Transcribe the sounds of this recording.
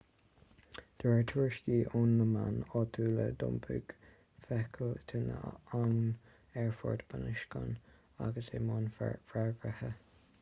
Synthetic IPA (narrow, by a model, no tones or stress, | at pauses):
d̪̥ɛɹət̪ʰuːɹʃɡiːʔʊnləmanɔt̪ʰuːləd̪ʊ̰mpʰʉ̰ɡ̥ | fɛkʰəlt̪ʰənəaŋ | ɛɹfɔɹd̪banɪʃkə̰n | a̰ɡəsemɔnfɹaɹɡɹəhə